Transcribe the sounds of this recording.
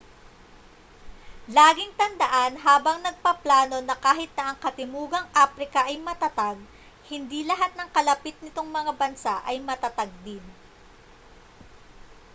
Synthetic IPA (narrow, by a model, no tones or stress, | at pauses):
laːɡɪŋt̪ɐnd̪ɐʔanɦaːbɐŋnɐɡ̚pɐplaːno̞nɐkaːɦɪt̪̚nɐʔɐŋkɐt̪ɪmuːɡɐŋʔaːfɾɪkɐʔɐjmɐt̪ɐt̪aɡ̚ | hɪnd̪ilɐɦat̪̚nɐŋkɐlɐpɪt̪̚nɪt̪oŋmɐŋabɐnsaʔɐjmɐt̪ɐt̪ɐɡ̚d̪ɪn